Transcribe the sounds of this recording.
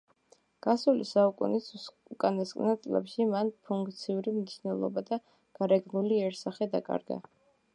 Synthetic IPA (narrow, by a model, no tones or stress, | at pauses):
ɡ̥asulisaukʼṵnis | ukʼanaskʼnat̪sʼlɛ̰pʃimanpʰuŋkʰʼt̪sʰiuɾimniʃnɛlˠɔ̰bad̪a | ɡ̥aɾɛɡnuliɛɾsaχɛd̪akʼa̰ɾɡa̰